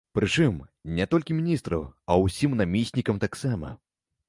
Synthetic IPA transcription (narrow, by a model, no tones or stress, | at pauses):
pɾɨt͡ʂɨmnʲɛt̪ɔlʲkʲimʲinʲist̪ɾɐɐwsʲimnamʲisʲnʲikɐmt̪aksamɐ̰